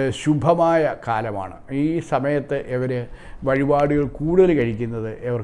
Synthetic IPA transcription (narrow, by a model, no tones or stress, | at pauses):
ɕubʱɐmaːjɐkaːlɐma̰ːɳɨ̰iːsɐmɐjɐt̪ːɨʔeʋɐɾeʋɐɻibaːɽuɣɐɭkuːɽuðɐlkɐɻikʲːunːɐðɨʔeʋɐr